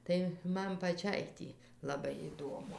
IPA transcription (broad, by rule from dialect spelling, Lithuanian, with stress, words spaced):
ˈtɐɪ ˈmɐn pɐˈt͡ʃʲɛɪ tʲiː lˠɐˈbɐɪ ɪˈduɔmʊ